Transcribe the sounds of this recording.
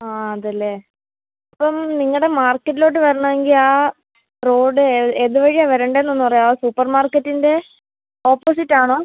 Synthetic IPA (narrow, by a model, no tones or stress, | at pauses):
aːɐðɐlːeː | ɐpːɐmniŋːɐɭɽe̞maːrkːɐtːilo̞ːʈːɨʋɐɾɐɳɐʋeŋɡilaː | ro̞ːɖɨeeðuʋɐɻijaʋɐɾɐɳɖeeːnːonːupɐrɐjaosupːɐrmaːrkːɐtːinde̞ | o̞ːpːoːs̬itːaːɳoː